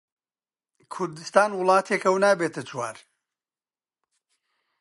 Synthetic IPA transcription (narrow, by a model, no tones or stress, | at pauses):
kʰʊɾd̪ɨst̪aːnwʊlˠɑːt̪ʰekɐwnaːbeːt̪ɨt͡ʃʰwaːɾ